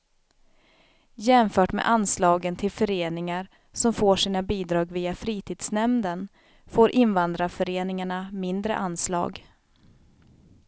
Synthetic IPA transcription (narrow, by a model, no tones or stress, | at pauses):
jɛmfœːʈmḛʔanslɑːɡənt̪ʰɪlfœɾeːnɪŋaɾ | sɔmfoːʂiːnabiːd̪ɾɑːɡviːafɾiːt̪ʰiːd̪snɛmd̪ən | foːɾʔɪnvand̪ɾafœɾeːnɪŋaɳamɪnd̪ɾə̰ʔanslɑ̰ːɡ